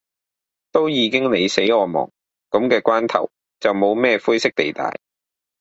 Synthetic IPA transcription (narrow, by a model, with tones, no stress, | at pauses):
t̪o˥wjiː˨˧kɪ˥ŋne˨˧jse˨˥jɔː˨˧mɔ̰ː˨˩ŋ | kɐ˨˥mkɛː˧kʷaː˥nt̪ʰɐ̰˨˩w | t͡sɐ˨wmo˨˧wmɛː˥˧fuː˥jsɪ˥k̚t̪e˨jt̪a̰ː˨j